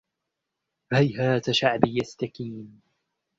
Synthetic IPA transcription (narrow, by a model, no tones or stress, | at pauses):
hajhaːt̪aʃaʕbɪjast̪akiːn